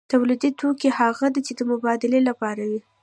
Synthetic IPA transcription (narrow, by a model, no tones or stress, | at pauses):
t̪awlid̪it̪ʰokehaɣad̪it͡ʃed̪əmʊbɑd̪ɪlelapɑɾawi